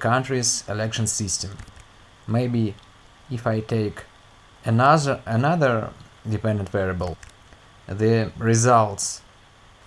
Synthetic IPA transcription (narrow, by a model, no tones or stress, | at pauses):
kʰãntɹizɛlɛkʃə̃nsɪstɨ̃mː | eɪbi | ɪfaɪtʰeɪk | ɨnənaðə˞ | dɨpɛ̃ndə̃ntvɛɹɨbəlˠ | ðɨɹɪzalˠts